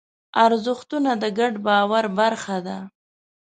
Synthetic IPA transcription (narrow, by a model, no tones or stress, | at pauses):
aɾzʊxt̪unad̪əɡaɖbɑwaɾbaɾxad̪a